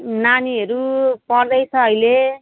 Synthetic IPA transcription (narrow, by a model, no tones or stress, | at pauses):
naniɦʌɾupʌrd̪ʌjt͡sʰʌʌile